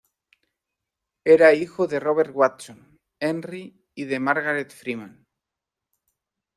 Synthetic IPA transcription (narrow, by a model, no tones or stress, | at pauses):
eɾaixoðe̞roβ̞eɾt̪̚ɣwat̪son | enriː | ðemaɾɣaɾet̪fɾimãn